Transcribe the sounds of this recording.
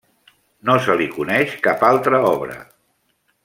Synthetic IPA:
nosəlikunɛʃkapalˠt̪ɾəɔβɾə̰

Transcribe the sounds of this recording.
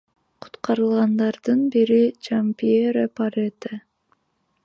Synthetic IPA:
qʰu̥t̪qɑɾɯlˠʁɑnd̪ɑɾd̪ɯnbiɾit͡ʃampieɾapaɾet̪ə

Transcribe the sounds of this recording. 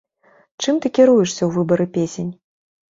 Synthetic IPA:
t͡ʂɨmt̪ɨkʲiɾujɛʂsʲɐwvɨbɐɾɨpʲesʲenʲ

